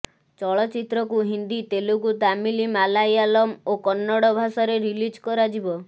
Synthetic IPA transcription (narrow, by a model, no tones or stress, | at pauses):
t͡ʃɔɭɔt͡ʃit̪ɾɔkuɦind̪it̪elukut̪amilimalajalɔmokɔnːɔɽɔbʱasɔɾeɾilid͡ʒkɔɾad͡ʒibɔ